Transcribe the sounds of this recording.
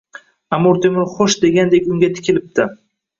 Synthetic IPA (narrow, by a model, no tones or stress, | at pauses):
amʊɾt̪ʰemɪɾχoʃd̪e̞ɡʲand̪ekʲʊŋɡʲat̪ʰɪ̥kʲʰɪlɪp̚d̪ɪ